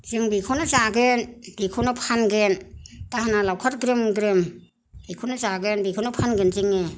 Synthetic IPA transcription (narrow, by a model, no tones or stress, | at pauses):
zɯŋbikʰɔnɯzaɡenb̥ikʰɔnɯpʰanɡentaɦanalawkʰat̚ɡɾɯmɡɾɯm | bikʰɔnɯzaɡenbikʰɔnɯpʰanɡenzɯŋe